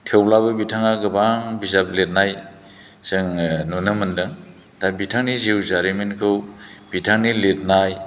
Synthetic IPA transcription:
tʰewlabɯbitʰaŋaɡɯbaŋbizap̚let̚naj | zɯŋnunɯmɯndɯŋ | tʰabitʰaŋniziwzaɾimenkʰɯwb̥itʰaŋnilet̚naj

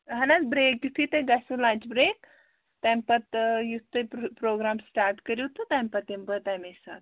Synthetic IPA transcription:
ɦɐnabɾeːkjut̪ʰːit̪ɐɡɐsulãːt͡ʃbɾeːk̚ | t̪ɐmpɐt̪jut̪ʰːɨpɾoːɡɾaːmsʈaːɾʈkɐɾiwt̪ut̪ɐmpɐt̪impɐt̪ɐmesa̰t̪

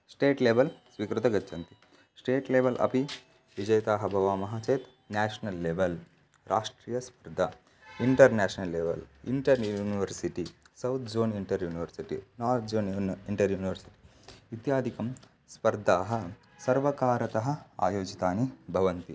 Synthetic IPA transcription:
sʈeːʈleːbɐlsʋikɾut̪ɐɡɐtːt͡ʃʰɐnt̪i | sʈeːʈleːʋɐlʔɐ̰pi | ʋid͡ʒɐjɐt̪aːɦɐbʱɐʋaːmɐɦat͡ʃeːt̪ | naːʃɐnɐlːeːʋɐl | ɾʔaːʂʈɾiːjɐspɐɾd̪ʱɐ | iɳʈɐɾnæːʃɐnɐlːeːʋɐ̰lḭɳʈɐɾjuuːniʋɐɾsiʈi | sɐwt̪ʰd͡ʒoːniɳʈɐɾjuːniʋɐɾsiʈḭnaːɾt̪ʰd͡ʒoːniɳʈɐɾjuːniʋɐɾsi̥ʈi̥ | it̪jaːd̪ʱikɐm | spɐɾd̪ʱaːɦɐ | sɐɾʋɐkaːɾɐt̪ɐɦɐ̆a̰ːjoːd͡ʒit̪aːnibʱɐʋɐnt̪i

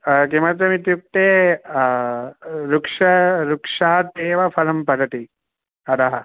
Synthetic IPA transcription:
kimɐt̪̬jɐmit̪juk̚t̪eː | ɾukʂɐɾukʂaɦɐt̪eːʋɐpʰɐlɐmpɐd̪ɐʈ̪i | ɐd̪ɐɦɐ

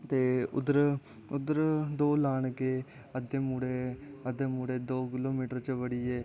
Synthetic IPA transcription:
t̪eːʊd̪əɾ | ʊd̪əɾd̪oːlaːɳ̃ke | əd̪eːmuːɽeəd̪emuːɽeːd̪oːkɪloːmiːʈəɾt͡ʃəʋəɽiːeː

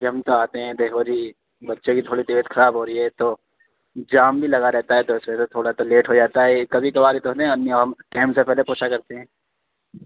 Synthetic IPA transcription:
keɦɐ̃mt̪oaːt̪eɦɛ̃d̪eːkʰod͡ʒʱiː | bɐtːʃõkit̪ʰoːɽit̪ɪʋeːt̪xʰɐɾaːbɦoːɾəiɦɛt̪oː | d͡ʒaːmbʱilɐɣaɾɛɦt̪aɦɛt̪oɪsmẽset̪ʰoːɽat̪oleːʈɦod͡ʒaːt̪aɦɛikɐbʱikɐbaːɾit̪oɦoːt̪eɦɛ̃ɐnːiɔːɾɦɐmʈɛ̃ːmsepɛɦlepoːt͡ʃʰakɐɾt̪eɦɛ̃ː

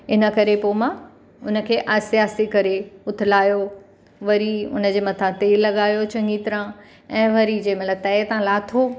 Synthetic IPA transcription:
ɪnə̆kɐɾepoːmã | ʊnə̆kʰeːʔasijaːsikɐɾeʊt̪ʰɪlaːjo | ʋɐɾiʊ̰nə̆d͡ʑeːmɐt̪ʰãt̪eːlːɐɠaːjot͡ɕɐ̃ŋɡiːt̪ɪɾã | ɛ̃ːʋɐɾid͡ʑeːmɐt̪lɐbt̪ɐet̪ãlaːt̪ʰo

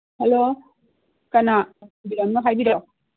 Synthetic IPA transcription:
helo | kanabiɾamnɐɦajbiɾɔ

